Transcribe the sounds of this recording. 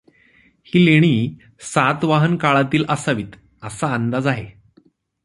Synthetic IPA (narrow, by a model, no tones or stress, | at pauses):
hiːleɽ̃iː | sat̪ʋaɦənkaɭat̪iːlʔəsaʋiːt̪ | əsaːnd̪ad͡zaɦe